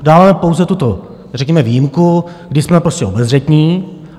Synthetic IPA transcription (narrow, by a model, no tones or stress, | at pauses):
daːvaːmɛpowzɛt̪ut̪o | rɛkɲɛmɛviːjɪmku | ɡdɪsmɛpɾo̞scɛo̞bɛzr̝ɛt̪ɲiː